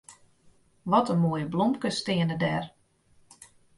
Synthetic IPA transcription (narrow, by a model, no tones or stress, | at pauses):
ʋɔtənmoːjəblɔmkəstɪənədɛr